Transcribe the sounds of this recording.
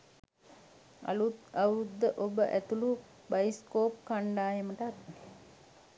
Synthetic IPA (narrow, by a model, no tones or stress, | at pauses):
a̰luɐud̪ːəʔobəʔæt̪ulu | bajiskoːpkaɳɖaːjeməʈːt̪ne